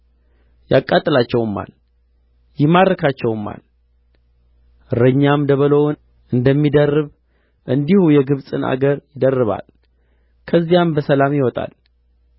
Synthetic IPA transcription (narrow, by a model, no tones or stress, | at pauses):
jakʼːat̪ʼːɨlat͡ʃːɛwɨmːa̰l | jɪmad̪ɾəkʰat͡ʃːɛwɨmːa̰l | ɾəɲːamd̪əβəlown | ʔɨnd̪əmːid̪ərːɨβ | ʔɨnd̪ihujɛɡɨβsʼɨnʔa̰ɡəɾjɪd̪ərːɨβa̰l | kʰəzːijambəsəlamjɪwɔt̪ʼa̰l